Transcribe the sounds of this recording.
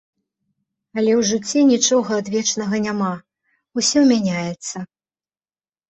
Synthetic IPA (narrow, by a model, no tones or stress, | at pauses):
ɐlʲɛwʐɨt͡sʲːɛnʲit͡ʂɔɣɐːd̪vʲɛt͡ʂnɐɣɐnʲama | usʲɔmʲanʲajɛt̪sːɐ